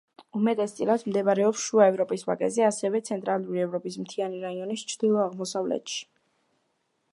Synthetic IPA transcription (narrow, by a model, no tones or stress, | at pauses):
umɛt̪ʼɛst̪sʼilˠad̪md̪ɛvaɾɛɔpsʃuaɛvɾɔpʼisvakʼɛzɛasɛvɛt̪sʰɛnt̪ʼɾalˠuɾiɛvɾɔpʼismt̪ʰianiɾaiɔnist͡ʃʰɾd̪ilˠɔaʁmɔsavlɛ̰t̪ʃi̥